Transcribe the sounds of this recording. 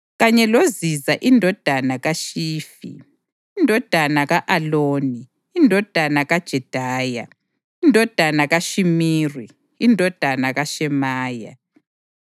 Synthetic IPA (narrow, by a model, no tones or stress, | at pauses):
ɣaɲɛlozizaʔindʱɔd̥ʱanaɣaʃiːfḭː | ndʱɔd̥ʱanaɣaʔaloːniː | ndʱɔd̥ʱanaɣad̥ʒ̥ʱɛd̥ʱaːja | indʱɔd̥ʱanaɣaʃimiːriː | ndʱɔd̥ʱanaɣaʃɛmaːja̰